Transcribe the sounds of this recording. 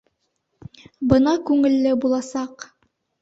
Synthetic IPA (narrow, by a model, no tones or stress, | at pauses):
bɤnɑkʉŋɘ̆lːɘbulˠɑsɑq